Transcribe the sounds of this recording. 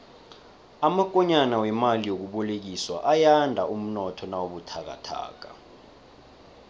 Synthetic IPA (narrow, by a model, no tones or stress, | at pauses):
amak̬ʼɔɲanawɛmalijok̬uɓɔlek̬iswa̰ʔajandʱaum̩nɔtʰɔnawoɓutʰak̬a̰tʰa̰ːk̬a̰